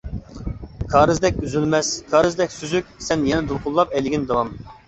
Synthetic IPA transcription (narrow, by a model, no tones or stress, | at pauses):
kʰɑːɾɨzd̪ɛk̚ʲyzylmɛskʰɑːɾɨzd̪ɛkʲsyzykʲsɛnjɛnɛd̪ulˠqʰʊlˠːɑpɛlɡʲind̪ɑwɑm